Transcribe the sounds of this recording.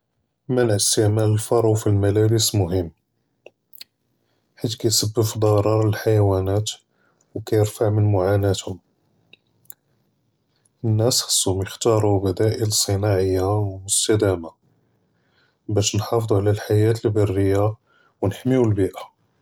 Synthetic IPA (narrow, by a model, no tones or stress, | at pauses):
mænʕəst̪əʕmæləlfɑɾˤwfilmælæbəsmʊɦəmː | ħit̪kæjsəbːəfd̪ˤɑɾˤɑɾˤəlħajwænæt̪ | wkæjəɾfaʕmənmʊʕanæt̪hʊm | ənːæsxɑ̥sˤːʊmjəxt̪ɑɾˤubæd̪æʔələsˤːənɑʕəjːawmʊst̪æd̪æma | bæʃnħɑfd̪ˤuʕlælħajæt̪əlbərːəjːa | wnəħmiwlbiʔa